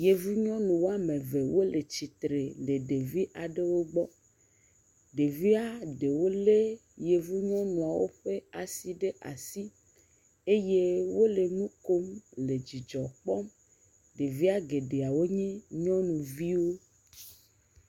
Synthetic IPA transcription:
je˨vu˦ɲɔ̃˦nũ˨wo˦a˦mẽ˨ve˨wo˦le˨t͡ɕi˨t̪ɾe˨le˨ɖe˨vi˦ʔa˨ɖe˦wo˦ɡ͡bɔ˦ | ɖe˨vi˦a˦ɖe˨wo˦le˦je˨vu˦ɲɔ̃˦nũ˨a˨wo˦ɸe˦a˨si˨ɖe˦ʔa̰˨si˦ | e˦je˦wo˦le˨nũ˦ko˦mle˨d͡ʑi˨d͡ʒɔ˨k͡pɔ˦m | ɖe˨vi˦a˦ɡe˨ɖe˨a˨wo˦ɲĩ˦ɲɔ̃˦nũ˨vi˦wo˦

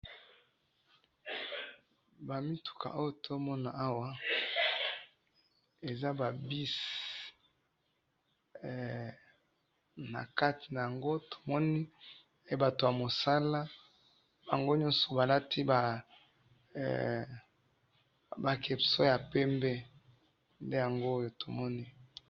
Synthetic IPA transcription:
ba˨mi˦tu̥˨kʰa̰˨ʔo˦jo˦to˦mɔ˦na˨a˦wa˦ | e˨za˦ba˨bi˦s | na̰˨ka˦ti̥˨na˨ja˨ŋɡo˦tʰo̥˨mɔ˦ni˦ | e˦ba˨to˨ja˨mo˨sa˦la˦ | ba˨ŋɡo˦ɲɔ̃˦nsɔ̥˨ba˨la˦tʰi˦ba˨ | ba˨kʰe˨pso˦ja˨pɛ˦mbɛ˦ | nde˦ja˨ŋɡo˦o˦jo˨to˨mɔ˦ni˦

